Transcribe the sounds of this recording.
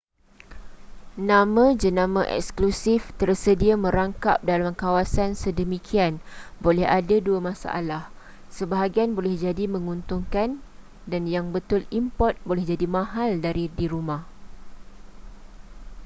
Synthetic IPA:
nãmãd͡ʒənãmãʔɛ̰ksklusift̪ərsədiamə̃ɾaŋkap̚dalamkawasansədəmikʰianbolɛhadaduamãsa̰ʔa̰lah | səbaɦaɡianbolɛhd͡ʒadimə̃ŋunt̪ʊŋkan | danjaŋbət̪ʊlimpɔt̪̚bolɛhd͡ʒadimãɦaldaɾidiɾumah

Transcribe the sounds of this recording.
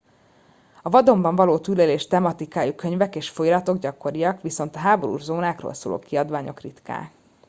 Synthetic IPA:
ɒvɒd̪o̞mbɒɱvɒloːt̪yleleːʃt̪ɛmɒt̪ikaːjukøɲvɛkeːʃfojlɒt̪o̞ɡɟɒkːo̞ɾijɒkʋiso̞nt̪ɒɦaːbo̞ɾṵːʒzoːnaːkro̰ːlso̰ːlo̰ːkiɒd̪ʋaːɲo̞̰krit̪ka̰ː

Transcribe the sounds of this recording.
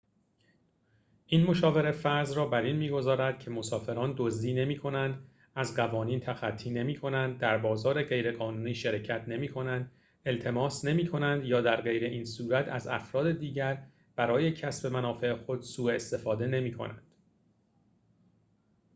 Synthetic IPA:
ʔiːnmo̞ʃɒːve̞ɾefæɾzrɒːbæɾinmiːɡo̞zɒːɾæd̪̥̚cʰe̞mo̞sɒːfe̞ɾɒːnd̪ozd̪iːne̞miːkʰo̞nænd̪ | æzɢævɒːniːnt̪ʰæxæt̪ʰːiːne̞miːkʰo̞nænd̪̚ːæɾbɒːzɒːɾeɢe̞jɾe̞ɣɒːnuːniːʃeɾecʰæt̪ʰne̞miːkʰo̞nænd̪ | e̞lt̪ʰe̞mɒːsne̞miːkʰo̞nænd̪jɒːd̪æɾɢe̞jɾe̞ʔiːnsuːɾæt̪ʰæzæ̰fɾɒːd̪e̞d̪iːɟæɾ | b̥æɾɒːje̞cʰæsbe̞mænɒːfe̞exo̞d̪suːe̞st̪e̞fɒːd̪e̞ne̞miːkʰo̞̰næ̰nd̪̥

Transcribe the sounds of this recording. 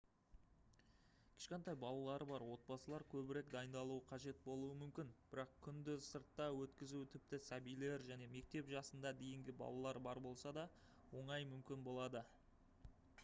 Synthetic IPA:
kʲʰɪ̥ʃqent̪ɑjbɑlˠɑlˠɑɾəbɑɾwo̞t̪̚bɑsəlˠɑɾkʲʰɵbɪɾe̞kd̪ɑjənd̪ɑlˠuəqʰɑʒe̞t̪bo̞lˠuəmʏmkʲɪnb̥ɪɾɑqkʲʰʏnd̪ɪsəɾt̪ːɑwɵt̪kʲɪzut̪ʰɪp̚t̪ɪsæbijle̞ɾʒæne̞me̞k̚t̪e̞pʒɑsənd̪ɑd̪e̞jɪŋɡʲɪbɑ̰lˠɑlˠɑɾbɑɾbo̞lˠsɑd̪ɑ | wo̞ɴɑjmʏmkʲɪnbo̞lˠɑd̪ə

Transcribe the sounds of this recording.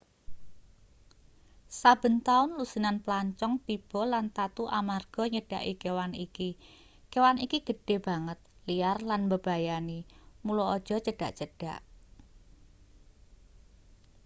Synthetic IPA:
sab̥ə̤nt̪aʊnlusinanplaɲt͡ʃɔŋt̪ib̥ɔ̤lant̪at̪uʔamarɡ̥ɔ̤ɲəɖ̥a̤̰ʔikewaniki | kewanikiɡ̥ə̤ɖ̥e̤b̥a̤ŋət̪̚liarlanbəb̥a̤janimulɔɔd̥ʒ̥ɔ̤t͡ʃəɖ̥a̤ʔt͡ʃəɖ̥a̤ʔ

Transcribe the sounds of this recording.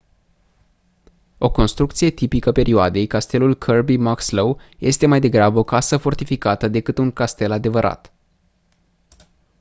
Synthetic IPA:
o̞ko̞nst̪ɾukt̪sije̞t̪ipikəpe̞ɾʔioad̪e̞jkast̪e̞lulkʰərbimakslowje̞st̪e̞majd̪e̞ɡɾabəo̞kasəfo̞rt̪ifikat̪əd̪e̞kɨt̪uŋkast̪e̞lad̪e̞vəɾʔa̰t̪

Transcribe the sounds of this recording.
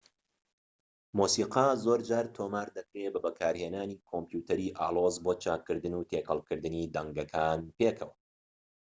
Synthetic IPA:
muːsiːqazoɾd͡ʒaːɾt̪ʰoːmaːɾd̪ɐkɾebɐbɐkʰaːɾheːnaːniːkʰompjuːt̪ʰɐɾiːʔa̰ːlˠoːzboːt͡ʃʰaːkːɨɾd̪ɨnuːt̪ʰeːkʰɐlˠkɨɾd̪ɨniːd̪ɐŋɡɐkʰaːnpeːkʰɐwɐ

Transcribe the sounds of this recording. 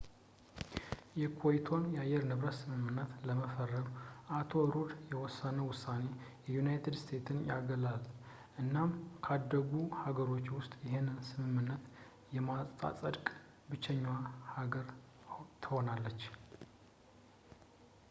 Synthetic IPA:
jɛkʰojt̪ʰo̞njɛajːɛɾnɨβɾət̪sɨmɨmːɨnːət̪ləməfərːəmʔat̪ʰo̞ɾud̪jɛwɔsːanəwʊsːane̞jɛjunajt̪ʰɨd̪st̪ʰe̞t̪ʰɨnja̰ɡəlal | ʔɨnːamkʰad̪ːəɡuhaɡəɾo̞t͡ʃːwʊst̪ʼjɪɦenɨnsɨmɨmːɨnːət̪ | jɛmasʼt̪ʼa̰sʼəd̪kʼ | bɨt͡ʃːɛɲːwahaɡəɾ | t̪ʰɨho̞nalːət͡ʃː

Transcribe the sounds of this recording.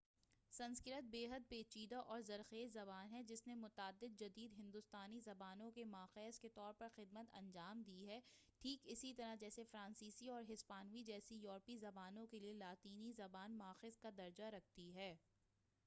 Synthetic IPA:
sɐ̃nskɪɾət̪̚beːɦəd̪̚peːt͡ʃiːd̪aʔɔːɾzɐɾxeːzɐbaːnɦɛd͡ʒɪsnemʊt̪aːd̪ːɪd̪̚d͡ʒɐd̪iːd̪ɦɪ̃nd̪ʊst̪aːnizɐbaːnõkemaːxeːəsket̪ɔːɾpɐɾxɪd̪mət̪ɐ̰̃ɲd͡ʒaːmd̪iːɦɛːʈʰiːkɪsit̪ɐɾad͡ʒɛːsefɾãːnsiːsiɔːɾɦɪspaːnʋid͡ʒɛːsijɔːɾpizɐbaːnõkelielaːt̪iːnizɐbaːnmaːxɪzkad̪ɐɾd͡ʒaɾɐk̚ʰt̪iɦɛː

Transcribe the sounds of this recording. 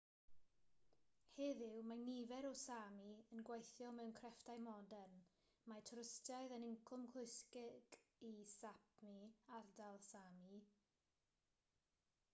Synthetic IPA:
heːðɪwmanivɛɾɔsamiənɡwejθjɔmɛwnkʰrɛftajmɔdɛn | matʰrəstaɨðənɪŋkʰʊmkʰlʊɨskɪɡ̥isap̚ʰmiardalˠsami

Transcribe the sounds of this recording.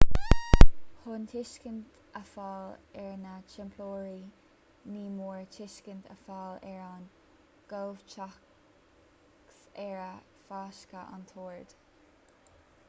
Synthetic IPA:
hʊntʰɪʃkənt̪ | əfaːlɛɹnat͡ʃɪmpʰloːɹiː | niːmuːɹtʰɪʃkənt̪ʰə̰faːlɛɹan | ɡ̥owvt͡ʃʰa | ksɛɹə | faːʃkəʔa̰nt̪ʰoːɹd̪̥

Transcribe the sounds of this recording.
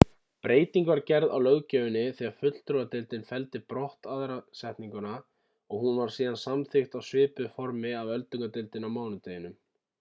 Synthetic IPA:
pɾeːjt̪iŋkvaɾcɛɾða̰wlœɣcœːjʏnːɪθiːaɾ̥fʏt̪l̥t̪ɾoat̪ɪlt̪ɪnfɛlt̪ɪpɾɔht̪aðɾasɛht̪niŋkʏna | ɔɣhunvaɾ̥siːðansamθɪxt̪awsvɪːpʏfɔɾmɪavœlt̪ʏŋkat̪ɪlt̪ɪnawmaːwnʏt̪eːjɪnʏm

